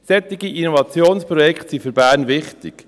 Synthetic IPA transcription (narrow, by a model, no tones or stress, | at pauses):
sɛt̪ːɪɡiʔinovɑt͡sjoːnspɾɔjɛkχtsifʏɾbæːɾnvɪχtɪk